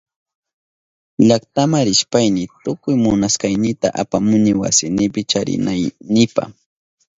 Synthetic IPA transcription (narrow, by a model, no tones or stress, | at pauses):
ʎakt̪amaɾɪʃpajnɪt̪ʊkʊjmʊnaskajnɪt̪a̰ʔapamʊnɪwa̰sɪnɪpɪt͡ʃaɾɪ̰najnɪpa̰χ